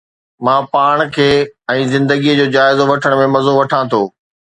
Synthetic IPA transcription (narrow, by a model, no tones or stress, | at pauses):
mãːpaːɽ̃kʰeːɛ̃ːzɪ̃nd̪əɡijəd͡ʑoːd͡ʑaːɪzoʋɐʈʰəɽ̃mẽmɐzoʋɐʈʰãt̪ʰoː